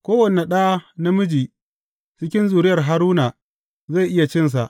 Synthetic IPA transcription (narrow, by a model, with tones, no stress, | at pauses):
kʷoː˦wɐ˨ne˨ɗaː˦na˦mʊ˦d͡ʒiː˨ | t͡ʃɪ˦kʲɪ˦nzuː˨ɾɪ˦jɐ˨rɦa˦ɾuː˦naː˨ | za˦˨jʔɪ˦ja˨t͡ʃɪ˦ns̬a˨ʔ